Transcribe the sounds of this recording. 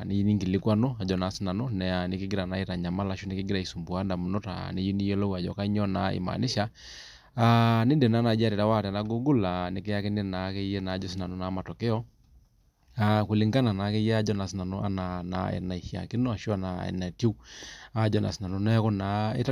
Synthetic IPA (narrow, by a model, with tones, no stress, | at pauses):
ne˦i˦ni˦ŋɡi˨lɪ˦kwa˦no˦a˨d͡ʒɔ˨na˨˦si˦na˨no˦nɛ˨a˨nɪ˨kɪ˦ɡɪ˦ɾa˨na˨˦e˦ta˨ɲa˨ma˦la˨˦ʃu˦ne˦kɪ˦ɡɪ˦ɾa˨i˨su˨mbu˨a˨˦nda˨mu˨no˦ta̰˨ne˦ji˦ni˦jɛ˦lo˦wa˨d͡ʒɔ̰˨ka˦i˦ɲɔ˦na˨ḭ˨ma̰˨nɪ˦ʃa˦ | a˦nɪ˦de˨naː˦na˨˦d͡ʒa˦ɾe˨ta˦wa˦˨tna˨˦ɡo˦ɡu˦la˨ne˨˦ke˦a˦ke˦ne˦na˨˦ke˦jɛ˦naː˨˦d͡ʒɔ˦s̬i˦na˨no˦na˨˦ma˨tɔ˨ke˦ɔ˦ | a˦ku˨li˦ŋɡa˦na˨na˨˦ke˦jɛ˦a˦d͡ʒɔ˦na˨sɪ˦na˨no˦ʔa̰˦na˨na̰˨ɛ̰˨na˨i˨hia̰˨kɪ˦no˦a˨ʃo˦a˦na˨ɛ̰˨na˨to˦u˦a˦d͡ʒɔ˦na̰˨si˦na˨no˦na˦ko˦na˨˦ḛ˦ta˦